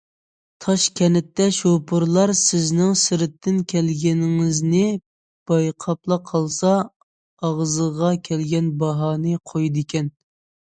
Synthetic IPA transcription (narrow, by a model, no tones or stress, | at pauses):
t̪ʰɑʃkʲʰɛnɪt̪ːɛʃopʰʊɾlˠɑɾsɪznɪŋsɪɾɪt̪ʰːɪnkʲʰɛlɡʲɛnɪŋɪznɪ | b̥ɑjqʰɑplˠɑqʰɑlˠsɑ | ɑʁzəʁɑkʲʰɛlɡʲɛnbɑɦɑːnɨqʰojd̪ɪkʲɛn